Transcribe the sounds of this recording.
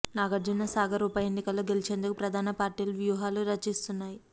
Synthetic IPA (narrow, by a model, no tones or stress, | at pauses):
naːɡɐɾd͡ʒunːɐsaːɡɐɾuːpɐjenːikɐlːo̞ːɡe̞lit͡ʃe̞ːnd̪ukupɾɐd̪ʱaːnɐpaːɾʈiːlɐʋjuːɦaːluɾɐt͡ʃːist̪unːaːji